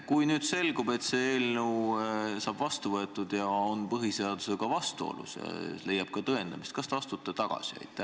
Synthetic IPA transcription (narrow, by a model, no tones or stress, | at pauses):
kujnyːd̪̥se̞lɡube̞t̪se̞eːlneusɑːb̥vɑst̪uvɤet̪ːˑud̪̥jɑonpɤɦiseɑd̪̥use̞ɡ̥ɑvɑst̪uo̰lṵsjɑ̰le̞jːɑb̥̚kɑt̪ɤe̞nd̪̥ɑmist̪kɑst̪ɑɑst̪ut̪ːˑet̪ɑɡ̥ɑ̰siɑ̰jt̪ːˑe